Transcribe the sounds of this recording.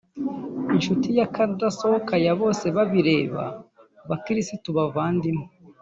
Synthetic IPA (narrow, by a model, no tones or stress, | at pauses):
inʃutijakaɾudaso̞hokʰajaβo̞ːse̞βaβiɾe̞ːβa̰ | βakiɾisituβavaːndimo